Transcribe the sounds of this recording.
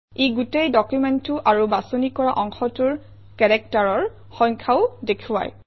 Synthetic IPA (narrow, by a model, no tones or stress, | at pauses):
eɡutejdɔkjumɛntːuʔaɹubasonikɔɹaʔɔŋxɔtuɹ | kɛɹɛk̚taɹɔɹ | xɔjŋkʰaʊdekʰuwa̰j